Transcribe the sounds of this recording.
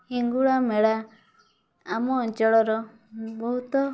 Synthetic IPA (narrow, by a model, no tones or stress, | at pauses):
hiŋɡuɭameɭa | amɔːnt͡ʃɔɭɔɾɔ | bɔɦut̪ɔ